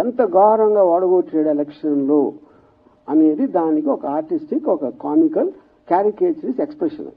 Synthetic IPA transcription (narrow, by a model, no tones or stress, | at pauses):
ɛnt̪ɐɡaːɦɾɐŋɡaːɔːɽɐɡoːt͡ʃːeːɽɛlɛkʂɐnlo̞ː | ɐne̞ːd̪id̪aːnikiɔkɐaːɾʈisʈikːɔkɐkaːmikɐl | kaːɾikeːt͡ʃɾisekspɾeʂɐ̰n